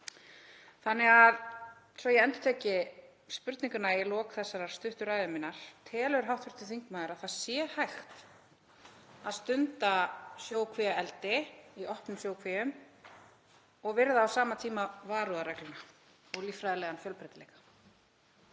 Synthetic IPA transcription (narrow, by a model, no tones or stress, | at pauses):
θanːɛɣað | svɔjɛɛnt̪ʏ̥t̪ʰɛːcɪ | spʏɾt̪niŋkʏnailɔːkθɛsːaɾaɾ̥st̪ʏht̪ʏɾaːjðʏmɪnːaɾ̥t̪ʰɛːlʏʏɾ̥ɦawht̪fʏ̥ɾ̥t̪ɪ̥θiŋkmaːðɪɾaðθaðsjɛːhajxt̪ | aðst̪ʏnt̪asjoːwkʰvɛaɛlt̪ɪiʔɔhpnʏmsjoːwkʰvɛːjʏm | ɔɣvɪɾðaːwsaːmat̪ʰiːmavaːɾuðaɾɛklʏna | ɔɣlifɾajðalɛːɣanfjœlpɾɛt̪ɪlɛːjkḁ